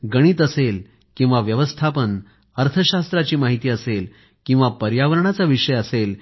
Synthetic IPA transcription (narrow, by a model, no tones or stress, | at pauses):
ɡəɽ̃iːt̪əsel | kĩw̃ʋaʋjəʋəst̪ʰapən | əɾt̪ʰəɕast̪ɾat͡ɕiːmaɦit̪iːəsel | kĩw̃ʋapəɾjaʋəɾəɳat͡saʋiʂəjəsel